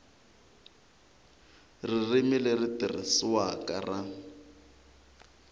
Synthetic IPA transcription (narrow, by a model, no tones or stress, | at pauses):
ririmileritirḭswakʼara